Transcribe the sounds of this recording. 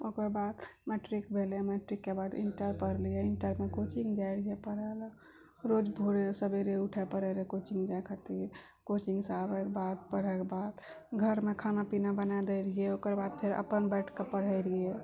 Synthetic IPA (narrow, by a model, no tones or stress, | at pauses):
okəɾbad̪meʈɾikbʱelemɛʈɾikːebaʈḭɳʈəɾpəɾliɛiɳʈəɾmekot͡ʃiŋɡd͡ʒajɾəɦiepəɽɛl | ɾod͡ʒbʱuɽesəbeɾeuʈʰɛpəɾɛɾekot͡ʃĩŋɡd͡ʒajkʰət̪iɾ | kot͡ʃiŋɡsabɛkebad̪̚pəɽ̤ɛkebad̪ɡʱəɾmekʰanapinabənad̪eɾəɦiɛokəɾbad̪̚pʰeɾə̰pənbɛʈʰkepəɽ̤ɛjɾiɛ